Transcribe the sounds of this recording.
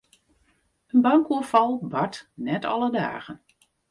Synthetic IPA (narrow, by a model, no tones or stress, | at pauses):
ənbɑŋkuəfɑlˠbatnɛtʰɑ̰lˠəda̰ːɣən